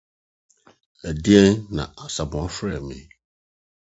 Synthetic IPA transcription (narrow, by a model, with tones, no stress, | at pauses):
æ˨di˦ɛ˦nnã̰˨a˨sa˨bʊ̃˨a˦fɾɛ˨mḛ̃˨˦˨